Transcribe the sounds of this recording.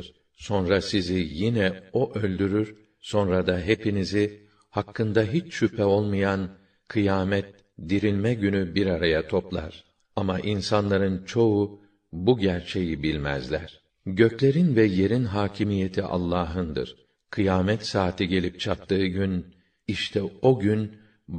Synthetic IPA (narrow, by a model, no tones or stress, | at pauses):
ɾ | so̞nɾasizijinɛo̞ʔø̞lʲd̪yɾyɾ | so̞nɾad̪aɦe̞pinizi | hakːɯnd̪aɦit͡ʃʃypʰɛo̞lˠmajan | kʰɯjaːmɛt̪ | d̪iɾilʲmɛɟynybiɾaɾajat̪ʰo̞plˠa̰ɾ̥ | amaʔinsanlˠaɾɯnt͡ʃʰo̞u | buɟæɾt͡ʃʰe̞jibilʲmæ̰zlʲæ̰ɾ̥ | ɟø̞clʲe̞ɾinvɛje̞ɾinɦaːcʰimije̞t̪ʰiʔa̰lˠːaːɦɯnd̪ɯ̰ɾ̥ | kʰɯjaːmɛt̪saːt̪ʰiɟe̞lʲip̚t͡ʃʰap̚t̪ʰɯːɟyn | iʃt̪ʰɛo̞ɟyn